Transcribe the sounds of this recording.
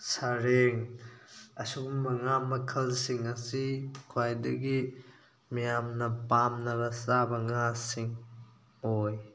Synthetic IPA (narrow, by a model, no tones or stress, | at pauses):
saɾeŋ | ɐsuɡumːɐŋamɐkʰɐlsiŋɐsikʰwajdɐɡi | mijamnɐpamnɐɾɐsabɐŋasiŋ | oj